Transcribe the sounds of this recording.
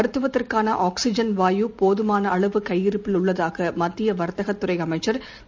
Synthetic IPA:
ɐɾɯt̪ːɯʋɐt̪ːɪrkaːnɐʔaːksɪd͡ʒɐnʋaːjupoːðɯmaːnɐːɭɐʋɯkɐjːɪɾɯpːɪlʊɭːɐðaːɣɐmɐt̪ːɪjɐʋɐɾt̪ɐɣɐt̪ːɯɾɐɪɐmɐɪt͡ʃːɐɾ

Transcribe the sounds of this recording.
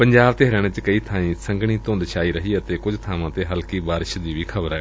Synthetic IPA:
pəɲd͡ʒaːbt̪eɦɾɛːɽ̃ẽt͡ʃkəiːt̪ʰaːĩːsəŋɡɽ̃ĩːt̪õːnd̪ʃaːiːɾəɦiːət̪eːkʊd͡ʒt̪ʰaːʋãːt̪eːɦəlkiːbaːɾɪʃd̪iːʋiːkʰəbəɾɦɛː

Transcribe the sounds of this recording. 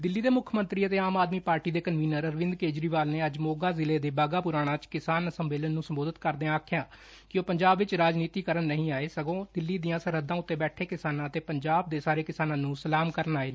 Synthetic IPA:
d̪ɪlːiːd̪eːmʊkʰmənt̪ɾiːət̪eːaːmaːd̪miːpaːɾʈiːd̪eːkənʋiːnəɾəɾʋɪ̃nd̪keːd͡ʒɾiːʋaːlneːəd͡ʒmoːɡaːzɪleːd̪eːbaːɡaːpʊɾaːɽ̃ãːt͡ʃkɪsaːnəsəmʋeːlənːũːsəmboːd̪ət̪kəɾd̪eːãaːkʰɪjãː | kɪoːpəɲd͡ʒaːbʋɪt͡ʃɾaːd͡ʒniːt̪iːkəɾənːəɦĩːaːeːsəɡõːd̪ɪlːiːd̪ijãːsəɾəd̪ːãːʊt̪ːeːbɛːʈʰeːkɪsaːnãːət̪eːpəɲd͡ʒaːb̚d̪eːsaːɾeːkɪsaːnãːnũːsəlaːmkəɾənaːeː

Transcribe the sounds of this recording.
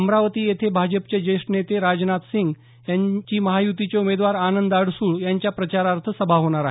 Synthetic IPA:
əmɾaʋət̪iːjet̪ʰebʱad͡ʑəp̚t͡ɕed͡ʑeʂʈnet̪eɾad͡ʑnat̪siŋɡ | jaɲt͡ɕiːməɦajut̪it͡seumed̪ʋaɾanənd̪aɽsuːɭjaɲt͡ɕjapɾət͡ɕaɾaɾt̪ʰəsəbʱaɦoɽ̃aɾaɦ

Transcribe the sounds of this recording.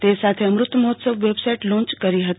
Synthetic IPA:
t̪eːsaːt̪ʰeɐmɾʊt̪ːmɐɦot̪səʋʋeːbsaɪʈlõːnt͡ʃkɐɾiɦɐt̪

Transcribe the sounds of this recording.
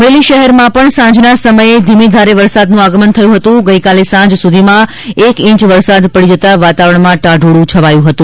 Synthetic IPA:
ʋeliʃəɦɛɾmãpəɳsãd͡ʒnasəməjed̪ʱimid̪ʱaɾeʋəɾsad̪nũaɡəmənt̪ʰəjũɦət̪ũɡəikalesãd͡ʒsud̪ʱimã | ekĩt͡ʃʋəɾsad̪pəɽid͡ʒət̪aʋat̪aʋəɾəɳmãʈaɖʱuɽũt͡ʃʰəʋajũɦət̪ũ

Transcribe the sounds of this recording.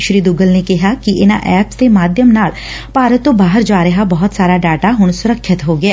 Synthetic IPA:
ʃɾiːd̪ʊɡəlnekɪɦakiʔɪnã̰ʔɛːpst̪emaːd̪jəmnaːl | paːɾət̪obaːɦəɾd͡ʒaːɾəɦabɔɦʊt̪saːɾaɖaːʈaɦʊɳsʊɾəkʰʃɪt̪ɦoːɡɛː

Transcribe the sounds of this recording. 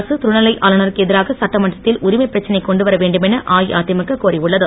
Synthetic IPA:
sɯt̪ʊɳɐlɐɪʔʔaːlɐnɐɾɯkɯɛðɪɾaːɣɐsɐʈːɐmɐʈrɐt̪ːɪlʔʊɾɪmɐɪpːɪɾɐt͡ʃːɐnɐɪkːɔɳɖɯʋɐɾɐʋeːɳɖɯmɛnɐʔaːjaːt̪jɐmɐkːɐkːoːriʊɭːɐðɯ

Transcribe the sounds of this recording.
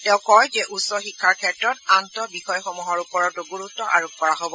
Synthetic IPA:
tɛ̃ʊ̃kɔjzɛʔusɔxikʰːaɹkʰɛtɹɔtantɔbixɔjxɔmuɦɔɹupɔɹɔtʊɡuɹutːɔʔa̰ɹokʰkɔɹaɦobɔ

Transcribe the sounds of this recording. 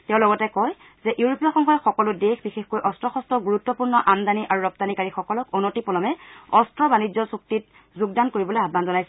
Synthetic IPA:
tɛʊ̃lɔɡɔtɛkɔj | zɛʔiuɹopijɔxɔŋɦɔjɔxɔkɔlʊdexbixexkojʔɔstɹɔxɔstɔɡuɹutːɔpuɹnɔʔamdaniʔaɹuɹɔp̚tanikaɹixɔkɔlɔkɔnotipɔlɔmɛɔstɹɔbanid͡ʒɔsuk̚tit̚ | zuɡ̚dankoɹibɔlojʱabanzɔnajsɛ

